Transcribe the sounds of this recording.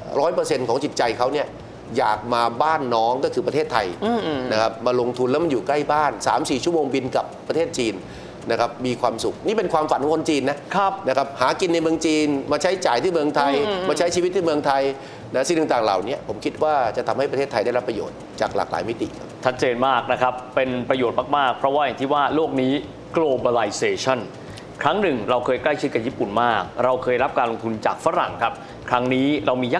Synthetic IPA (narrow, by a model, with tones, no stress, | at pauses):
ɾɔː˦˥jpɤː˧se˧nkʰɔː˩˦ŋt͡ɕi˨˩t̪̚t͡ɕa˧jkʰa˦˥wni˥˩ɐ | jaː˨˩k̚maː˧baː˥˩nːɔː˦˥ŋkɔː˥˩kʰɯː˧pɾa˧e˥˩t̪ʰːa˧jna˦˥kʰa˦˥p̚maː˧lo˧ŋt̪ʰu˧nlɛː˦˥wma˧njuː˨˩kla˥˩jbaː˥˩nsa̰ː˩˦msiː˨˩t͡ɕʰu˥˩˨moː˧ŋbi˧nka˨˩pːa˧t̪ʰeː˥˩t̪̚t͡ɕiː˧n | na˦˥kʰa˦˥p̚miː˧kʰwaː˧msu˨˩k̚niː˥˩pe˧nkʰwaː˧mfa̰˨˦nt̪ʰːŋkʰo˧t͡ɕiː˧nːa˦˥kʰna˦˥kʰa˦˥p̚haː˩˦ki˧nːa˧jmɯ˧əŋt͡ɕiː˧nmaː˧t͡ɕʰa˦˥jt͡ɕaː˨˩jt̪ʰiː˥˩mɯ˧əŋt̪ʰa˧jmaː˧t͡ɕʰa˦˥jt͡ɕʰi˧i˦˥t̪̚ʰːiː˥˩mɯ˧əŋt̪ʰa˧j | na˦˥si˨˩nɯː˧˨˧ŋt̪aː˨˩ŋla̰ː˨˩wni˦˥ɐpʰo˩˦mkʰi˦˥t̪̚waː˥˩t͡ɕa˨˩t̪ʰa˧mha˥˩jpɾa˧eː˥˩t̪ʰːa˧jda˥˩ɾa˦˥pːɾa˧jo̰ː˨˩t̪̚t͡ɕaː˨˩k̚laː˨˩k̚la̰ː˩˦jmi˦˥t̪ḭ˨˩kʰa˦˥p̚t͡ɕʰa˦˥t̪̚t͡ɕeː˧nmaː˥˩k̚na˦˥kʰa˦˥pːe˧npɾa˧joː˨˩t̪̚maː˧˩k̚maː˥˩k̚pʰɾɔ˦˥waː˥˩ja˨˩ŋt̪ʰiː˥˩waː˥˩loː˥˩k̚niː˦˥ | kloː˧ba˧la˧jseː˧t͡ɕʰa˥˩n | kʰɾa˦˥ŋnɯ˨˩ŋɾa˧wkʰɤː˧jkla˥˩jt͡ɕʰi˦t̪̚ka˨˩jiː˥˩pu˨˩nmaː˥˩k̚ɾa˧wkʰɤː˧jɾa˦˥p̚kaː˧nlo˧ŋt̪ʰu˧nt͡ɕaː˨˩k̚fa˦˥ɾa˨˩ŋkʰa˦˥p̚ | kʰɾa˦˥ŋniː˦˥ɾa˧wmiː˧ja˦˥˩